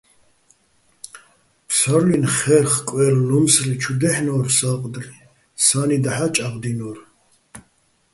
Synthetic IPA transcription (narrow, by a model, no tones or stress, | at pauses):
pʰsaɾlinχɛrχkʼwɛɾlumsrit͡ʃʰud̪ɛħnɔːɾsaqʼd̪li | sanid̪aħat͡ʃʼabd̪inɔɾ